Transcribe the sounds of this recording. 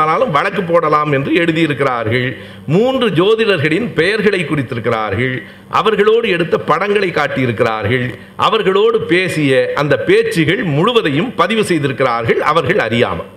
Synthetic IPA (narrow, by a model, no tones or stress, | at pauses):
laːlɯmʋɐɭɐkːɯpːoːɽɐlaːmɛndrɯɛɽɯðɪjɪɾɯkːɪraːɾɣɐɭ | muːndrɯd͡ʒoːðɪnɐɾɣɐɭɪnpɛjɐɾɣɐɭɐɪkːʊrɪt̪ːɪɾɯkːɪra̰ːɾɣɐɭ | ʔɐ̰ʋɐɾɣɐɭoːɽɯɛɽɯt̪ːɐpːɐɽɐŋɡɐɭɐɪkːaːʈːɪjɪɾɯkːɪra̰ːɾɣɐɭ | ʔɐ̰ʋɐɾɣɐɭoːɽɯpeːsɪjɐʔɐnd̪ɐpeːt͡ʃːɪɣɐɭmʊɻʊʋɐðɐjɯmpɐðɪʋɯsɛjðɪɾɯkːɪraːɾɣɐɭɐ̰ʋɐɾɣɐɭɐɾɪja̰ːmɐ̰